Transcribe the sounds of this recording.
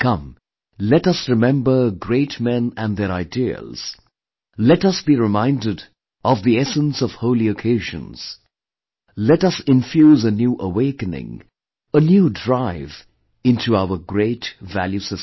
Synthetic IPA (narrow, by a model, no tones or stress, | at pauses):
kʰʌ̃m | lɛtʌsɹɨmɛ̃mbə˞ɡɹeɪtmɛ̃næ̃nðəɾaɪdiə̰lz̥ | lɛtʌsb̥iɹɪmãɪ̃ndɨd | ʔɔvðiɛsə̃nsɔv̥hoʊliokʰeɪʒə̰̃nz̥ | lɛtʌsɪ̃ɱfjuːzənjuʔəweɪkɨnɪ̰̃ŋ | ənjuːdɹaɪv | ɪ̃ntʰuaʊə˞ɡɹeɪtvæljusəs